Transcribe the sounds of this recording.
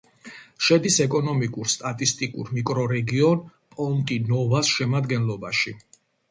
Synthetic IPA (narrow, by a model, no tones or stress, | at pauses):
ʃɛd̪isɛkʼɔnɔmikʼuɾst̪ʼat̪ʼist̪ʼikʼṵɾmikʼɾɔɾɛɡiɔnpʼɔnt̪ʼinɔvasʃɛmad̪ɡɛnlɔbaʃi